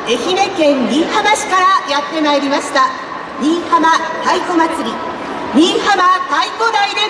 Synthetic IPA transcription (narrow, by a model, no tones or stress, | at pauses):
e̞çine̞kẽ̞nɾʲĩɰhabaɕi̥kaɾajat̪ːe̞naiɾʲimaɕi̥t̪a | ɲʲĩɰhamat̪aikomat͡sɨɾʲi | ɲʲĩɰ̃hamat̪aikod̪aid̪e̞